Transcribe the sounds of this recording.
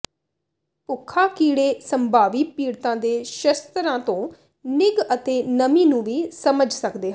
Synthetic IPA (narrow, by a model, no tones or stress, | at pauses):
pʊkʰːaːkiːɽeːsəmbʱaːʋiːpiːɽt̪ãːd̪eːʃəst̪ɾãːt̪õː | nɪɡət̪eːnəmiːnũːʋiːsəməd͡ʒsəkd̪eːɦ